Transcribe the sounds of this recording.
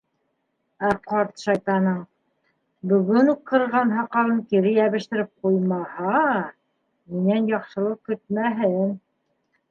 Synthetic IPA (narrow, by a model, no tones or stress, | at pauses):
æqɑɾt̪ʃɑjt̪ɑnɤɴ | bɵ̆ɡɵnuq̪̚qːɤ̆ɾɤ̆ʁɑnɦɑqɑlˠɤŋkiɾɘjæβɘ̆ʃt̪ɘ̆ɾɘp̚qujmɑhɑ | minænjɑqʃɤ̆lˠɤp̚kɵ̆t̪̚mæɦɘn